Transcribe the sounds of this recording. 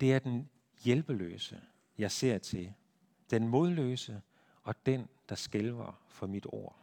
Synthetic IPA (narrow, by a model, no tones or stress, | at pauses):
d̥e̝æɐd̥en | jelb̥əlø̰ːsə | jɑ̈ɪse̝ɐ̰t͡sʰe̝ | d̥enmo̝ð̞ˠlø̰ːsə | ɒ̽d̥end̥ɑ̈sɡ̥elʋɐfɒ̽mid̥o̝̰ɐ̰